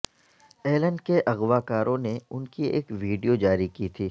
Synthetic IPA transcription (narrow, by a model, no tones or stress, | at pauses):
eːlə̃ɳɖkeʔɐɣʋaːkaːɾʔõneʊnkiḛːkʋiːɖijod͡ʒaːɾikit̪ʰiː